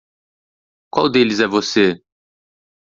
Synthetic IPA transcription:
kwawd̪elɪzɛvose

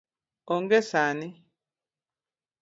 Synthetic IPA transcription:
ɔŋɡesani

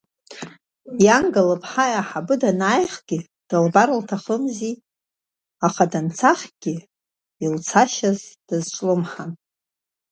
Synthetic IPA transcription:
jaŋɡalɨpʰʼħajaħabɨdanaːjχɡʲɪ | d̥albaɾɨltʰaχəmzi | aχadant͡sʰaχʲɡ̥ʲɪ | ilt͡sʰaʃazd̥azʈ͡ʂʷʼlɨmħan

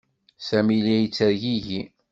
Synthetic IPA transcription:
sæmiliæjət͡sːəɾʝiʝi

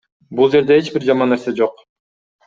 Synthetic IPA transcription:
bulˠd͡ʒe̞ɾd̪e̞et͡ʃbiɾd͡ʒɑmɑnːeɾsed͡ʒo̞q

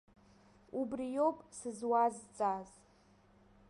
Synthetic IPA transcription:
ubrijopʼsɨzwazt͡sʼaz

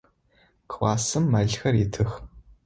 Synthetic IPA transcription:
kwʷɑːsɨmːɐɮxɐritʰɨx

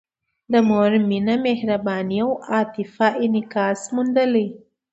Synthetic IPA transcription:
d̪əmoɾminamehɾabɑːnijawɑːt̪ifaʔinɪkɑːsmund̪əli

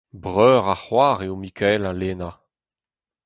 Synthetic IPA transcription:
bʁœːʁaχwaːʁeomikʰɛlaleːna

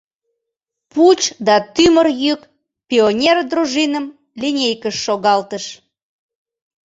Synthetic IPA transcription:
put͡ɕd̪ɑt̪ymərjyk | pʲionʲerd̪ɾuʒinəm | linʲejkəʃːoɣɑlt̪əʃ

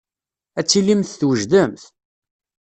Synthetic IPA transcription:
æt͡sːilimθθwəʒd̪əmθ

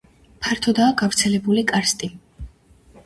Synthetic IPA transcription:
pʰaɾt̪ʰɔd̪aːɡavɾt̪sʰɛlɛbulikʼaɾst̪ʼi

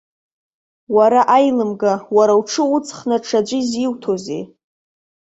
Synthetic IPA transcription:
waɾaʔajlɨmɡawaɾawʈ͡ʂʰɨut͡sʰχnaʈ͡ʂʰad͡ʒʷiziwtʰo̞zḛ

